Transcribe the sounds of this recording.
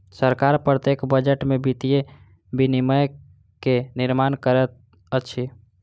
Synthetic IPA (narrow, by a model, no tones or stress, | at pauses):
səɾkaɾpɾət̪ekbəd͡ʒəʈmebit̪ije | biniməj | kenɪɾmankəɾət̪̚ | ət͡ʃʰi